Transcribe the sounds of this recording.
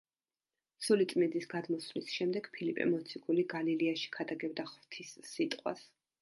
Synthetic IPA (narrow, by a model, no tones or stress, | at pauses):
sulit̪sʼmind̪isɡad̪mɔsvlisʃɛmd̪ɛɡpʰilipʼɛ̰mɔt̪sʰiɡuliɡaliliaʃi̥kʰad̪aɡɛbd̪aχvt̪ʰisːit̪ʼqʼwa̰s